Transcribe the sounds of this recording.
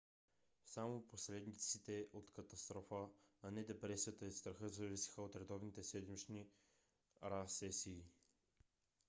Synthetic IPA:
samoposɾɛd̪nit̪sit̪ɛʔot̪kɐt̪ɐst̪ɾɔfəːnɛd̪ɛpɾɛsiət̪əist̪ɾɐxɤzɐvisi̥xəot̪ɾɛd̪ɔvnit̪ɛsɛd̪mit͡ʃni | ɾasɛsiː

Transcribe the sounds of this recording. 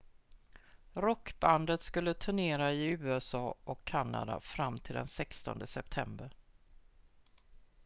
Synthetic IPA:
ɾɔkːband̪ət̪skɵlːət̪ʰʊɳeːɾaɪʉ̟ːɛsɑːʔɔkʰːanːa̰d̪a̰fɾamːt̪ʰɪld̪ɛ̰nsɛkst̪ɔ̰nd̪əsɛp̚t̪ʰɛmbəɾ

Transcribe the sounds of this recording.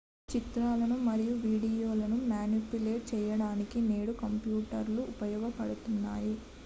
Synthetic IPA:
t͡ʃit̪ɾaːlɐnumɐɾijuʋiːɽijo̞ːlɐnumjaːnupuleːʈ̚t͡ʃɛjɐɽaːnikine̞ːɽukɐmpjuːʈɐɾluʔːpɐjɔːɡɐpɐɽut̪unːaːji

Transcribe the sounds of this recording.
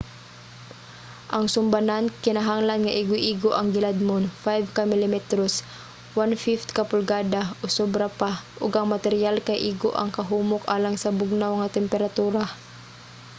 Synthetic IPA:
ʔaŋsʊmbanankɪnaɦaŋlanŋaʔiɡoʔiːɡoʔɐŋɡɪlad̪̚monfajvkamɪlɪmɛt̪ɾos | wanfift̪kapʊlɡaːd̪aʔosobɾapaʔʊɡʔɐŋmat̪ɛɾjalkajʔiːɡo̰ʔɐ̰ŋkɐɦuːmʊkʔaːlaŋsɐbʊɡ̚nawŋat̪ɛmpɛɾat̪uːɾa

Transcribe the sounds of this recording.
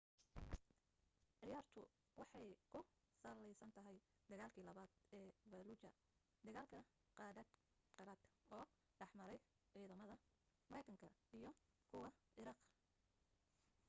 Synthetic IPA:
ʕɪjaːrt̪ʰʊ | wɑħɑjkʰʊ | sɐlɛjsɐnt̪ʰɐɦɛj | d̪̥ɐɣaːlkʰiːlɐβaːd̪̥̚ɛːvɐlut͡ʃɐ | d̪ɐɣaːlkʰɐ | qɑːdɐd̪ | qɑɾɐːd̪ɔː | ɖɑħmɐɾɛj | ʕiːðɐmɐðɐ | mɐɾɛjkʰɐŋkʰɐijɞ | kʰʊwɑʔɪɾɑːq

